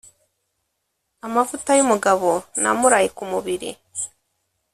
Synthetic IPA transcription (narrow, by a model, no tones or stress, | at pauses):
amavutajumuɡaβo̞na̰muɾaːjikumuβiɾḭ